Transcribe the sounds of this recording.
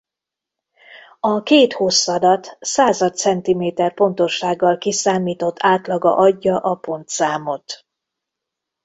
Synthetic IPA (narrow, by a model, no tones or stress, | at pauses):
ɒkeːt̪ho̞sːɒd̪ɒt̪saːzɒt̪sɛnt̪imeːt̪ɛrpo̞nt̪o̞ʃːaːɡːɒlkisaːmiːt̪o̞t̪ʰːaːt̪lɒɡɒ̰ʔɒɟːɒʔɒpo̞nt̪saːmo̞t̪